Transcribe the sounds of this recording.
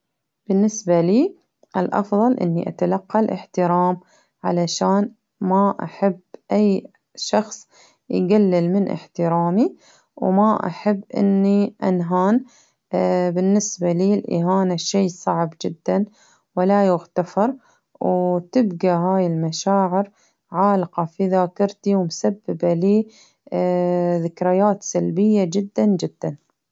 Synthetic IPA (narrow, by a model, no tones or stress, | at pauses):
b̥ɪnːɪsbaliː | ʔɪlʔɑ̰fðˤɑlʔɪ̰nːḭʔa̰t̪alɑqːɑlʔɪ̰ħt̪ɪɾɑːm | ʕalaʃaːn | maʔa̰ħabʔaj | ʃɑxsˤ | jɡalːɪlmɪnʔɪ̰ħt̪ɪɾɑːmi | wmaʔa̰ħabːʔɪ̰nːiʔanɦaːn | bɪnːɪsbaliːlʔɪ̰ɦaːnaʃeːsˤɑʕbd͡ʒɪd̪ːan | wɪlajʊɣt̪afɑɾˤ | wt̪ɪbɡaɦaːjɪlmaʃaːʕɪɾ | ʕaːlqɑfiðaːkɑɾˤt̪iwmsabːɪbaliː | ðɪkɾɪjaːt̪salbɪjːad͡ʒɪd̪ːand͡ʒɪd̪ːan